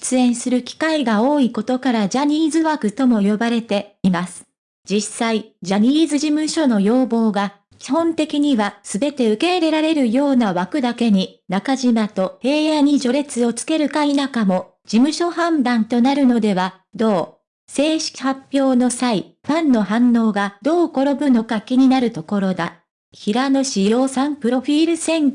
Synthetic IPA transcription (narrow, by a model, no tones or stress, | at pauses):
i̥t͡sɨẽ̞ɰ̃sɨɾɯ̟kʲi̥kaiɡao̞ːiko̞t̪o̞kaɾad͡ʑaɲ̟iːzɨβakɯ̟t̪o̞mo̞jo̞baɾe̞t̪e̞imasɨ̥ | d͡ʑisaid͡ʑaɲ̟iːzɨʑimɯ̟ɕo̞no̞jo̞ːbo̞ːɡa | kʲi̥hõ̞nt̪e̞kʲiɲ̟iβasɨbe̞t̪e̞ɯ̟ke̞iɾe̞ɾaɾe̞ɾɯ̟jo̞ːnaβakɯ̟d̪ake̞ɲ̟inakaʑimat̪o̞e̞ːjaɲ̟iʑo̞ɾe̞t͡sɨo̞t͡sɨ̥ke̞ɾɯ̟kainakamo̞ | d͡ʑimɯ̟ɕo̞hãmd̪ãnt̪o̞naɾɯ̟no̞d̪e̞βa | d̪o̞ː | se̞ːɕi̥kʲi̥hapʲjo̞ːno̞saiɸãnːo̞ɦãnːo̞ːɡad̪̥o̞ːko̞ɾo̞bɯ̟no̞kakʲiɲ̟inaɾɯ̟t̪o̞ko̞ɾo̞d̪a | çiɾano̞ɕijo̞ːsãmpɯ̟ɾo̞ɸʲiːɾɯ̟sẽ̞ŋ